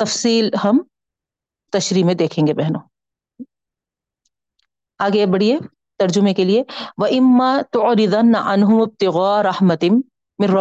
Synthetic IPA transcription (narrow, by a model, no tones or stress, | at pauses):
t̪ɐfsiːlhɐm | t̪ɐʃɾiːmẽd̪eːkʰẽːŋɡebɛɦnoː | aːɡebɐɽie | t̪ɐɾd͡ʒʊmẽkelieʋɐʔɪmːat̪ʊʕɾɪd̪ɐnːaʔanɦʊmɪb̚t̪ɪɣaːɾɐhmɐt̪ɪː | ɪ̃rːɐ